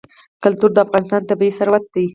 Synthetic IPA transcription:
kʊlt̪uɾd̪əafɣɑnɪst̪ɑnt̪abiisaɾwat̪̚d̪i

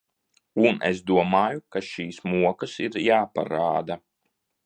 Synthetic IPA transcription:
unḛsd̪uɔmaːjukaʃiːsmuɔkasiɾjaːpa̰ɾa̰ːd̪a

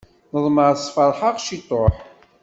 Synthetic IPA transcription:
nəðˤməɾsˤfɑɾˤħaʁʃit̪ˤːoħ

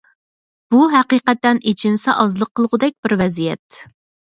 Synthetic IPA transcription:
b̥uɦæqiqɛt̪ːɛnit͡ʃʰɪnsɛʔɑzlˠəqʰːəlˠʁʊd̪ɛk̚ʲb̥ɪɾvɛzijɛ̰t̪

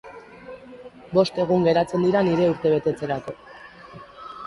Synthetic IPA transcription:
bo̞st̪e̞ɣ̞uŋɡe̞ɾat͡se̞nd̪iɾaniɾe̞uɾt̪e̞β̞e̞t̪e̞t͡se̞ɾako̞

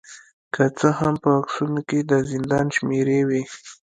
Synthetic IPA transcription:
kət͡səhampəaksunoked̪əzɪnd̪ɑnʃmeɾewe

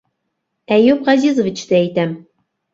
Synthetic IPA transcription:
æjʉpʁɑzizŏvʲit͡ɕt̪ɘæjt̪æm

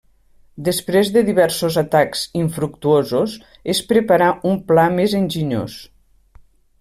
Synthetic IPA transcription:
d̪əspɾezðəðiβɛɾsozat̪akz̥iɱfɾuk̚t̪uozos | espɾəpaɾaumplamezənʲʒiɲo̰s

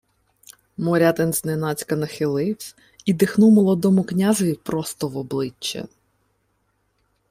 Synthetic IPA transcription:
mɔɾʲat̪enznenɑt͡sʲkɐnɐxɪlˠɪw | id̪ɪxnumɔlˠɔd̪ɔmʊknʲaʒjʲipɾɔst̪ɔʋɔblˠɪt͡ʃːɛ̰

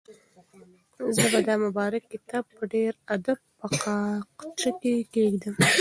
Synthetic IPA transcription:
zəbad̪ɑmʊbɑɾakːɪt̪ɑb̚pəɖeɾad̪ab̚pəqɑqt͡ʃəkekeɡd̪əm

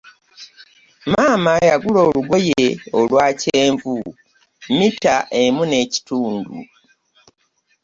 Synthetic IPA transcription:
maːmajaɡulo̞ːluɡo̞jeolwaːceeːɱvu | mitaʔe̞mune̞ci̥tuːndṵ

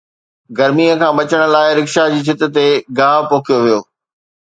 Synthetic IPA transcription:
ɡɐɾmiːəkʰãːɓɐt͡ɕəɽ̃ʊ̆laːɪɾɪkʃad͡ʑiːt͡ɕʰɪt̪ɪ̆t̪eɡaːɦpõːkʰijoʋijoː

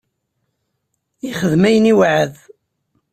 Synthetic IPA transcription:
iχəðmæjəniwʕəð

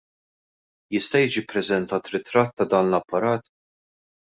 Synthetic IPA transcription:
jɪst̪ɐjiːd͡ʒipɾɛzɛnt̪ɐːt̪ɾɪt̪ɾɐt̪ːɐd̪ɐːnlɐpːɐɾɐːt̪

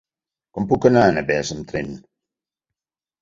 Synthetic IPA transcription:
kɔm̩pukənanabɛːsɨm̩tɾen

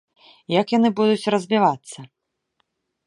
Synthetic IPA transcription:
jɐkjanɨbud̪ut͡sʲrɐzʲbʲivat̪sːɐ

